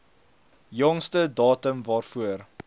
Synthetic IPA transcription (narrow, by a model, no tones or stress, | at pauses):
jɔŋstədɑːtəmvɑːrfuər